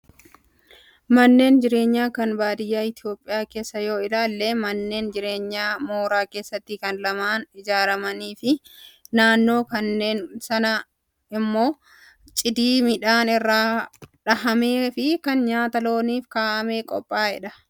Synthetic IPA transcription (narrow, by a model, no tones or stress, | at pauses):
mɐnːe̞ːnd͡ʒɪɾe̞ːɲːaːkɐnbaːd̪ɪjːaːɪt̪ɪo̞ːpʼːɪjaːke̞ːsːɐjo̞ːɪlaːlːe̞ːmɐnːe̞ːnd͡ʒɪɾe̞ːɲːaːmo̞ːɾaːke̞ːsːɐt̪ːɪkɐnlɐmaːnɪd͡ʒaːɾɐmɐniːfɪnaːnːo̞ːkɐnːe̞ːnsɐnɐ | ɪmːo̞ː | t͡ʃʼɪd̪iːmɪᶑaːnɪrːaːᶑɐhɐme̞ːfɪkɐnɲaːt̪ɐlo̞ːniːfkaːʔɐme̞ːkʼɔ̰pʼːaːhɪᶑɐ